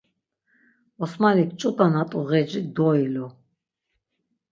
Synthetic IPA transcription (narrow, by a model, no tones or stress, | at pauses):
ɔsmalikt͡ʃʼut̪ʼanat̪ʼuɣɛd͡ʒid̪ɔilɔ